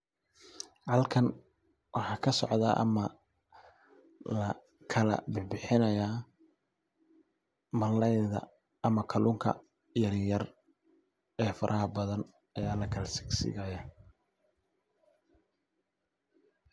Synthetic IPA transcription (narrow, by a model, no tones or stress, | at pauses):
ʕɑlkʰɐn | wʔɑħɑːkʰɐsɔ̰ʕd̪ɐ̰ːʔɐ̰mɐ | lɐ | kʰɐlɐ̰bɪbɪħɪnɐjaː | mɐlɛjðɐ̰ | ɐmɐkʰɐluːŋkʰɐ̰ | jɐɾɪjɐr | ɛːfɐɾʔɐɦɐbɐðɐn | ɐjaːlɐkʰɐlɐsɪ̥ɡsɪ̰ɣɐjɐ